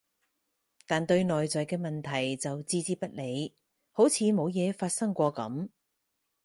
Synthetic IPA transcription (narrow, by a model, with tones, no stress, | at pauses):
t̪aː˨nt̪ɵ˧ɥnɔː˨jt͡sɔː˨˩jkɛː˧mɐ˨nt̪ʰɐ˨˩jt͡sɐ˨wt͡siː˧t͡siː˥pɐ˥t̚le˨˧j | ho˨˥wt͡sʰiː˨˧mo˨˧wjɛː˨˧faː˧t̚sɐ˥ŋkʷɔː˧kɐ̰˨˥m